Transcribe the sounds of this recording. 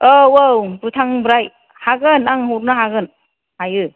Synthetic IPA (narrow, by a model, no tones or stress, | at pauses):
owowbɯtʰaŋbɾaj | haɡɯnaŋhuɾnaɦaɡɯn | hajɯ